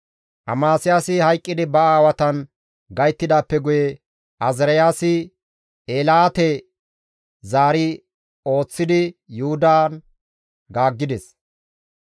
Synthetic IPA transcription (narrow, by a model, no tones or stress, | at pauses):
ʔɐ̰maːsɪjaːsɪhɐjkʼːɪd̪ɪbɐaːwɐt̪ɐn | ɡɐjt̪ːɪd̪aːpːɛɡʊjɛ | ʔɐzɪɾɐjaːsɪ | eːlaːt̪ɛ | zaːɾɪ | o̞ːt͡sːɪd̪ɪjʊhʊd̪aːn | ɡaːɡːɪd̪ɛs